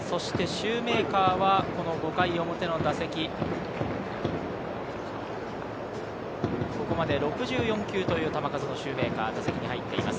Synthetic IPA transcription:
so̞ɕi̥t̪e̞ɕɨːme̞ːkaːβako̞no̞ɡo̞kaio̞mo̞t̪e̞no̞d̪ase̞kʲi | ko̞ko̞mad̪e̞ɾo̞kɯ̟ʑɨːjõ̞ŋkʲɨːt̪o̞jɯ̟ːt̪amakazono̞ɕɨːme̞ːka̰ːd̪asekʲiɲ̟ihait̪ːe̞ḭma̰sɨ̥

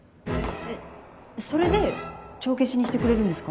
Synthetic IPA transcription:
eso̞ɾe̞d̪e̞t͡ɕo̞ːk̬e̞t͡ɕiɲ̟iɕi̥t̪e̞kɯ̟ɾe̞ɾɯ̃nd̪esɨ̥ka

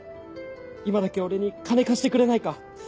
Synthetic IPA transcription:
imad̪ake̞o̞ɾe̞ɲ̟ikane̞kaɕi̥t̪e̞kɯ̟ɾe̞naika

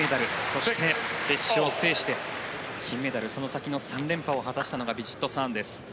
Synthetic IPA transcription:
ed̪aɾɯ̟so̞ɕi̥t̪ʰe̞be̞ɕːiose̞ːɕi̥t̪e̞kʲʰĩmːe̞d̪aɾɯ̟so̞no̞sakʲino̞sãnɾẽ̞mpao̞ɦat̪aɕi̥t̪ano̞ɡabʲiʑi̥t̪ːo̞sãnd̪e̞sɨ̥

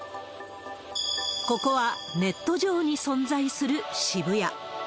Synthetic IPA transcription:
ko̞ko̞βame̞t̪ːo̞ʑo̞ːɲ̟isõ̞nd͡zaisɨɾɯ̟ɕibɯ̟ja

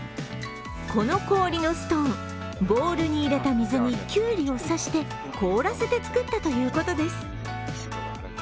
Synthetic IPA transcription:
kʰo̞no̞ko̞ːɾʲino̞sɨ̥t̪õ̞ŋ | bo̞ːɾɯ̟ɲ̟iːɾe̞t̪amʲizɨɲ̟ikʲɨːɾʲio̞saɕi̥t̪e̞ | kʰo̞ːɾase̞t̪e̞t͡sɨ̥kɯ̟t̪ːat̪o̞jɯ̟ːko̞t̪o̞d̪e̞sɨ̥

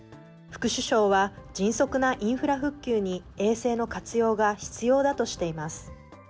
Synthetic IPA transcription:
ɸɯ̟̥kɯ̟ɕɨɕo̞ːβad͡ʑĩɰ̃so̞kɯ̟naʔĩɰ̃ɸɯ̟ɾaɸɯ̟kʲːɨːɲ̟ie̞ːse̞ːno̞kat͡sɨjo̞ːɡaçi̥t͡sɨjo̞ːd̪at̪o̞ɕi̥t̪e̞imasɨ̥

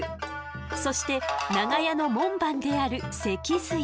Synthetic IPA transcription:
so̞ɕi̥t̪e̞naɡajano̞mõ̞mbãnd̪e̞aɾɯ̟se̞kʲisɨ

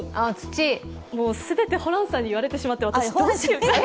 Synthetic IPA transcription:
at͡sɨ̥t͡ɕi | moːsɨbe̞t̪e̞ho̞ɾãɰ̃sãɲ̟ːiβ̞aɾe̞t̪e̞ɕimat̪ːe̞βat̪aɕiot͡ɕi

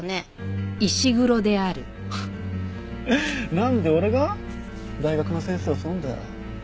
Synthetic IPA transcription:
ne | iɕiɡɯ̟ɾo̞d̪e̞aɾɯ̟ | nãnd̪e̞o̞ɾe̞ɡa | d̪aiɡakɯ̟no̞sẽ̞ːseːosõnd̪a

